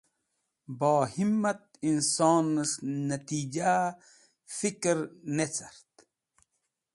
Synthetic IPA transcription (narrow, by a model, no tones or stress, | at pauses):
baːhimːat̪̚insɑːnəʂnɐt̪iːd͡ʑa | fikɾnet͡saɾt̪